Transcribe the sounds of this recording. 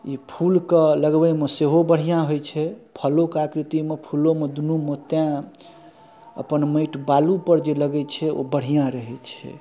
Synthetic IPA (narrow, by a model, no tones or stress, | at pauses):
ipʰulkələɡbɛmeseɦobəɽ̤ijãɦojt͡ʃʰɛpʰəlokakɾit̪imepʰulomed̪unumot̪jã | ə̰pənməjʈbalupəɾd͡ʒeləɡɛt͡ʃʰɛo̰bəɽ̤ijãɾəɦɛt͡ʃʰɛ̰